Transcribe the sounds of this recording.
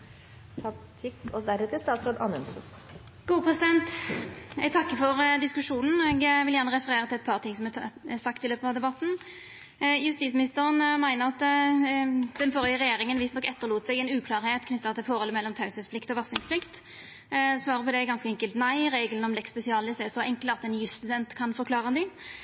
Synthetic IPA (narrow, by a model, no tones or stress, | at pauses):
t̪ʰɑt̪ʰɪkːɔd̪æɾhɛt̪ɪlst̪ɑːt̪sɾoːd̪ɑnʉnsn | ɡ̥uːəpʰʁɛsɪd̪ɛnt̪ | ɛɡt̪ʰɑkːəfɔʁd̪ɪskʉʂuːnn̩ɛɡʋɪljæːʁnəʁɛfəʁeːɾət̪ɪlɛt̪pʰɑːʁt̪ʰɪŋsɔmɛsɑkt̪ɪløːpət̪ɑʋd̪ɛbɑt̪ːn̩ | jʉst̪iːsmɪnɪst̪əʁənmæɪnəʁɑt̪ | d̪̥ɛnfɔʁjəʁɛjeːɾɪŋənʋɪsnɔkːɛt̪ːəʁluːt̪sɛɪɡɛɪnʉːkʰlɑːɾheːt̪kʰnʏt̪ːɑt̪ɪlfɔɾhɔləmɛlːɔmt̪ʰɑʉsəspʰlɪkt̪ɔʋɑsɪŋspʰlɪkt̪ | sʋɑːʁəpɔd̪ɛɡɑnskəɛŋkəlt̪næɪɾeːɡəln̩ɔmlɛkspɛsɪɑːlɪsɛsɔʔɛŋkəlɑt̪ɛnjʉst̪ʉd̪ɛnt̪kʰɑnfɔɾklɑːʁəd̪ɪ